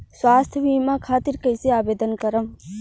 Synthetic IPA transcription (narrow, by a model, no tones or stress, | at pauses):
swaːst̪ʰjʋiːmãkʰaːt̪iɾkəjseaːbeːd̪ənkɐɾəm